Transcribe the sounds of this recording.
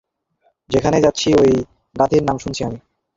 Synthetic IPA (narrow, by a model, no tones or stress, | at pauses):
d͡ʑekʰaned͡ʑatːɕʰioj | ɡat̪ʰiɾnamʃunt͡ɕʰiami